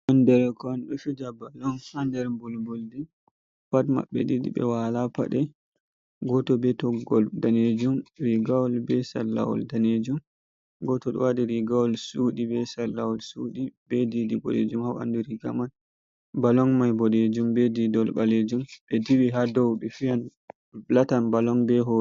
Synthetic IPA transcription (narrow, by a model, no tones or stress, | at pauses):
ʔɔndɛɾkɔanɗɔʃud͡ʒabalɔŋhandɛɾmbɔlmbuldi | fatma̰ɓːɛ̰didḭɓɛ̰walapa̰ɗɛ | ɡɔtɔbɛtɔɡɔldaned͡ʒumɾiɡawɔlbɛsalːa̰wɔ̰ldaned͡ʒum | ɡɔtɔɗɔ̰wadiɾiɡawɔlsuːdibɛsalːawɔlsuɗibɛdidibɔ̰ɗḛd͡ʒumhawa̰nduɾiɡa̰man | balɔŋmajbɔɗed͡ʒumbɛdidɔlbaled͡ʒumɓɛdiwiɦadɔwɗifijan | latanbalɔŋbɛɦɔ